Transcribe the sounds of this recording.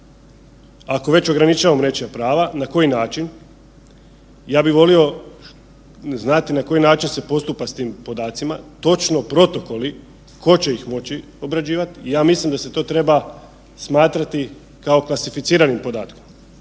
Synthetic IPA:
ako̞ʋe̞t͡ɕo̞ɡɾanit͡ʃaːʋamɾet͡ʃijapɾaːʋanako̞jinaːt͡ʃin | jaːbiʋo̞lio̞ | znat̪inako̞jinaːt͡ʃinse̞po̞st̪upast̪iːmpo̞d̪aːt̪simat̪o̞t͡ʃno̞pɾo̞t̪o̞ko̞li | ko̞t͡ɕe̞ixmo̞t͡ɕi | o̞bɾad͡ʑiːʋat̪iːjaːmislimd̪ase̞t̪o̞ːt̪ɾe̞ba | smaːt̪ɾat̪i | kao̞klˠasifit̪siːɾanimpo̞d̪aːt̪kom

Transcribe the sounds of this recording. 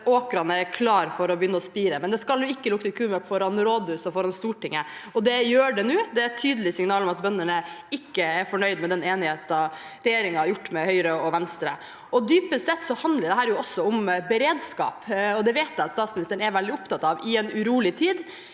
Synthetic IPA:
oːkɾɑnəɛkʰlɑːɾfɔɾɔbjʏnːəɔspiːɾəmɛnd̪ɛskɑlʊɪkːəlʊkət̪ɪkʰʉːmœkfɔɾɑnɾoːd̪ʉsɔfɔɾɑnst̪uːʈɪŋːəɔd̪ɛjøːɖɛnʉːd̪ɛæt̪ʰyːd̪əl̩ɪsɪŋnɑːlɔmɑt̪̚bœnːəɳəɪkːəɛɾfɔɳœʏd̪mɛd̪ɛneːnɪheːt̪ɑɾɛjeːɾɪŋɑɾjʊʈːmɛhœʏɾəɔʋɛnst̪ɾə | ɔd̪yːpəsɛt̪ːsɔhɑnd̪ləɾd̪ɛɦæːɾjʊɔsːɔʊmbɛɾeːd̪skɑ̰ːpɔd̪ɛʋeːt̪̚d̪æɪɑt̪st̪ɑːt̪smnɪst̪əɳ̩ɛɾʋɛld̪ɪʊpt̪ɑt̪ːɑʋɪɛnʉɾuːlɪt̪ʰiːd̪

